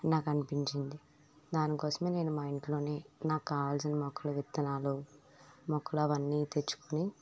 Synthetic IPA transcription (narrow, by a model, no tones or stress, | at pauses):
naːkɐnipiɲt͡ʃind̪i | d̪aːnikɔːsɐmeːne̞ːnumaːjiɳʈlo̞ːne̞ːnaːkːaːals̬ɐnimɔkʰːɐluʋit̪ːɐnaːlu | mɔkʰːɐluɐʋɐnːiːt̪e̞t͡ʃːu̥kuni